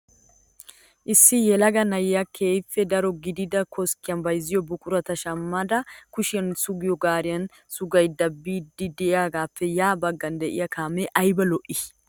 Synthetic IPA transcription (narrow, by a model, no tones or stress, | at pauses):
ʔɪsːɪjɛlɐɡɐnɐjjakʰe̞ːjfːɛd̪ɐɾɔɡɪd̪ɪd̪ɐkʰɔskːɪjɐnbɐjzːɪjɔbʊkʼʊɾɐt̪ɐʃɐmːɐd̪ɐkʊʃɪjɐnsʊɡɪjɔɡaːɾɪjɐn | sʊɡɐjd̪ɐbːiːd̪ːɪd̪ɛɪaːɡaːpːɛjaːbɐɡːɐnd̪ɛʔɪ̰jɐkʰaːmɛʔɐjbɐlɔʔɪ